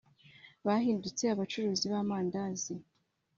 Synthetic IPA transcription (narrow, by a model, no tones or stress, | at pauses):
βaɦiːndut͡se̞aβat͡ʃuɾuːziβaːmaːndazi